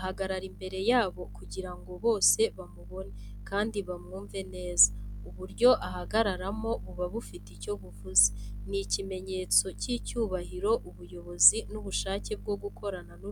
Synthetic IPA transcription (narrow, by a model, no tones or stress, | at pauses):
ahaɡaɾaɾimbe̞ɾe̞jaːβo̞kuɟiɾaŋɡo̞βo̞ːse̞βamuβo̞ne | kaːndiβamŋuːɱve̞ne̞ːzauβuɾɟo̞ʔaɦaɡaɾaɾamo̞βuβaβufitico̞βuvuzenicime̞ɲe̞t͡so̞cicuːβaɦiɾo̞ʔuβujo̞βo̞zinuβuʃaːce̞b̚ɡo̞ɡukʰo̞ɾananu